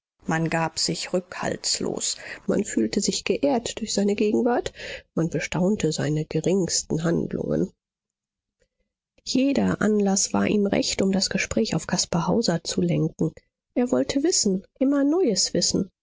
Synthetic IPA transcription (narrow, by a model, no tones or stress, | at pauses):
manɡaːpz̥ɪçʁʏkha̰lt͡slo̰ːsma̰nfyːltəzɪçɡ̥əʔeːɐtd̥ʊɐçz̥aɪnəɡeːɡŋ̩vaɐtmanbəʃtaʊntʰəza̰ɪnəɡ̥əʁɪŋstn̩ɦandlʊ̰ŋə̰n | jeːdɐʔa̰nlasv̥a̰ːɐʔiːmʁɛ̰çtʊmdasɡ̥əʃpʁ̥ɛːçaʊfɡ̥ʰaspahaʊzɐt͡sulɛŋk̚ŋ̩ | ʔeːɐvɔltʰəvɪsn̩ʔɪmɐnɔʏəsv̥ɪsn̩